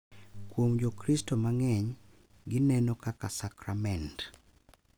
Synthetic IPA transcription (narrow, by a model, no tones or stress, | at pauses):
kwomd͡ʒokɾistomaŋɛɲ | ɡɪnɛnokakasakɾamɛnt